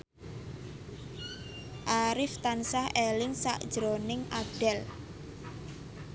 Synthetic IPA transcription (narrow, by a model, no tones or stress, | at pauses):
ʔaɾɪft̪ansahʔɛlɪŋsa̰ʔd̥ʒ̥ɾonɪŋʔaɖ̥ɛl